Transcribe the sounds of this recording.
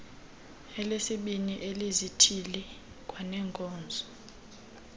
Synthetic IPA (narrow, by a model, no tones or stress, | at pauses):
ɛlesiɓiniʔelizitʰilɛ | kʼwanɛːŋkʼɔːnd͡zʱɔ̥